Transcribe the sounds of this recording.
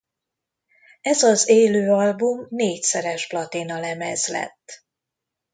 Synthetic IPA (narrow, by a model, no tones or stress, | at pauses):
ɛzɒzeːløːɒlbumneːcsɛɾɛʒblɒt̪inɒlɛmɛzlɛ̰t̪ː